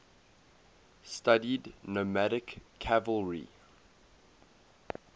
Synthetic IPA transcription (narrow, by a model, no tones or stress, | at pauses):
stadidnomæɾɪkʰːævəlˠɹḭ